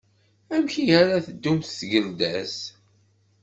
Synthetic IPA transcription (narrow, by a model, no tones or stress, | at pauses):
æmçijæɾaθəd̪ːumθθʝəld̪æs